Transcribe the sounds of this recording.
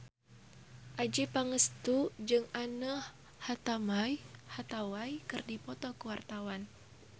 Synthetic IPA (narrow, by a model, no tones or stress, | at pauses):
ʔad͡ʒipaŋəst̪ud͡ʒɨŋanəh | hat̪amajhat̪awajkɨrdipɔt̪ɔkəwart̪awan